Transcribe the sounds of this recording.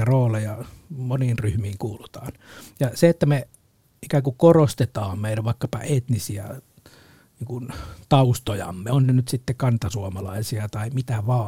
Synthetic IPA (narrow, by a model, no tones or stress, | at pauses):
æroːlejɑmoniːnryhmiːŋkuːlut̪ɑ̥ːnjɑseet̪ːæme | ikæːŋkukkorost̪et̪ɑːmmeilæʋʋɑˑikːɑpɑ̰et̪nisiæ̰ | niːŋkunt̪ɑust̪ojɑ̰mːeonnenyt̪sit̪ːekɑnt̪ɑsuomɑlɑisiɑt̪ɑimit̪æʋɑː